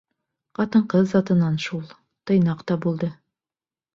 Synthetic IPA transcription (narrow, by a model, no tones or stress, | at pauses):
qɑt̪ɤ̆ɴqɤðzɑt̪ɤ̆nːɑnʃulˠ | t̪ɤ̆jnɑqt̪ɑbulˠd̪ɤ